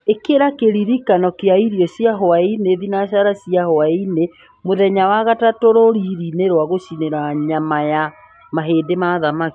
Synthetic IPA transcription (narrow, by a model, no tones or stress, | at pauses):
ekeɾakeɾiɾikanɔkeaiɾiɔɕjaɦoaineðinaʃaɾasiahoaine | moðɛɲawaɣatatoɾoɾiɾineɾwaɣoʃineɾaɲamaja | maɦeːdemaðamaki̥